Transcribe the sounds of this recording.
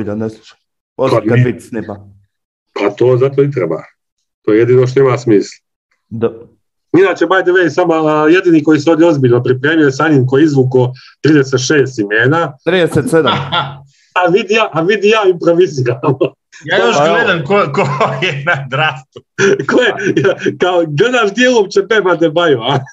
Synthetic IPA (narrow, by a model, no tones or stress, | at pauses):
d̪anest͡ʃ | oabit̪snipa | pʰat̪oːzat̪̬onit̪ɾḛba̰ː | t̪oːjejed̪iːnoʃ̬t̪oimasmiːslˠ | d̪ | inaːt͡ɕebajd̪eʋeisamojed̪iːniko̞jiseovd̪jeo̞zbiʎno̞pɾipɾe̞ːmijojesaɲimk̬ojeizʋuko | t̪ɾiːd̪eset̪ʃeːst̪imeːnat̪ɾieset̪sed̪ | aʋid̪ijaːʔaʋid̪ijaːimpɾo̞ʋiziɾamo | jaːjoʃɡled̪amkokojenad̪ɾast̪ukojejakaoɡled̪aʃd̪jelˠomt͡ɕepemad̪ebajʋa